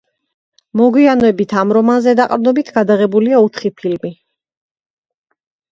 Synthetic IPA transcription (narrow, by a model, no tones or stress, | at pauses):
mɔɡwianɛbit̪ʰamɾɔmanzɛd̪aqʼɾnɔbit̪ʰɡad̪aʁɛbuliaut̪ʰχipʰilmi